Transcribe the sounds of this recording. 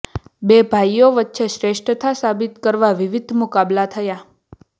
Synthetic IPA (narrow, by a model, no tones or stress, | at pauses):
bebʱajoʋətːʃeʃɾeʃʈɾət̪ʰasabit̪kəɾʋaʋiʋid̪ʱmukablat̪ʰəja